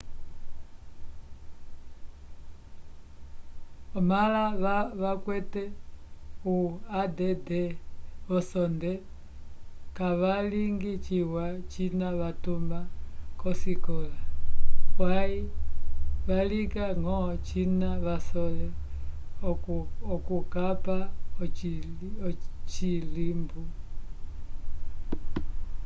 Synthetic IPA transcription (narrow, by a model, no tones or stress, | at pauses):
ɔmalaβaβakwɛtɛ | uadɛdɛβɔsɔndɛ | kaβaliŋɡit͡ʃiwat͡ʃinaβatumakɔsikɔla | wai | βalikaŋɔt͡ʃinaβasɔlɛ | ɔkukapa | ɔt͡ʃilimbu